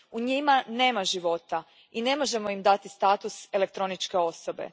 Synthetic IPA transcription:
uɲimane̞ːmaʒiʋo̞t̪a | ine̞mo̞ʒe̞mo̞imd̪at̪ist̪aːt̪use̞le̞kt̪ɾo̞nit͡ʃke̞o̞so̞be̞̰

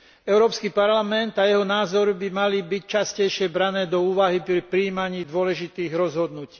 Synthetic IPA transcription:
ɛʊɾɔːpskiːpaɾlamɛnt̪ajɛɦɔnaːzɔɾbimalibict͡ʃascɛjʃɪɛbɾanɛːd̪ɔuːʋaɦipɾipɾiːmaɲiːd̪ʊɔlɛʒit̪iːɣɾɔzɦɔd̪nuci̥ː

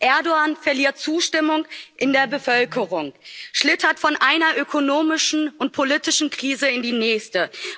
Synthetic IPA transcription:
ʔɛɐdoaːnfɛɐliːɐt̚t͡suːʃtɪmʊŋʔɪndeːɐbəfœlkʰəʁʊŋʃlɪtɐtfɔnʔaɪnɐʔøkʰonoːmɪʃn̩ʊnt̚pʰolitɪʃn̩kʁ̥iːzəɪndiːnɛːçstə

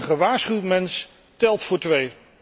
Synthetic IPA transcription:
χəʋaːɹsχywtmɛns | tɛlˠtfʊːɹtʋej

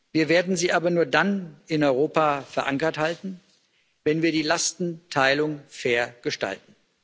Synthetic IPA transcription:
viːɐveːɐdn̩ziːʔaːbɐnuːɐdanɪnɔʏʁ̞oːpafɛɐʔaŋkɐthaltn̩ | vɛnviːɐdiːlastn̩tʰaɪlʊŋfɛːɐɡ̥əʃta̰ltn̩

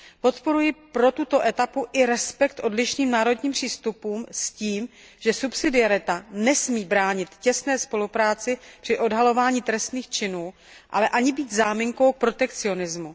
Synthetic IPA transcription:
po̞t̪po̞ɾujɪpɾo̞t̪ut̪o̞ʔɛt̪apuʔɪɾɛspɛkt̪ʔo̞dlɪʃniːmnaːɾo̞dɲiːmpr̝̥iːst̪upuːmsciːm | ʒ̥ɛsupsɪdɪaɾɪt̪anɛsmiːbɾaːɲɪt̪cɛst̪nɛːspo̞lupɾaːt͡sɪpr̥ɪʔo̞dɦalo̞vaːɲit̪ɾɛst̪niːxt͡ʃɪnuː | ʔa̰lɛʔaɲɪbiːt̪zaːmɪŋko̞wk̚pɾo̞t̪ɛkt͡sɪo̞nɪzmu

